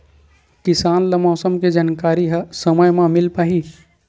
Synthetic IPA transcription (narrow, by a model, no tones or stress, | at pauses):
kɪsaːnlɐmɔːsəmked͡ʒaːnkaːɾiɦɐsɐməjmãmɪlpaːɦi